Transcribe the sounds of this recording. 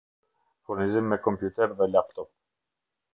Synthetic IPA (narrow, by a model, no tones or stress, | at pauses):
fuɾnizimːɛkɔmpjut̪ɛɾðɛlap̚t̪ɔp̚